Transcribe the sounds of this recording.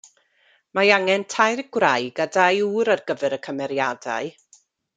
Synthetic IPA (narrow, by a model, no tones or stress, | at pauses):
maaŋɛntʰajrɡwrajɡadajuːɾarɡəvɛɾəkʰəmɛɾjada̰ɨ